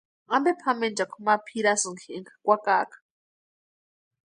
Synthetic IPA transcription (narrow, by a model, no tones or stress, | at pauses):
ɣambɛpʰamɛnd͡ʒakʰumapʰiɾasuŋkʰɛŋkʰḁkʷakaːkʰʼḁ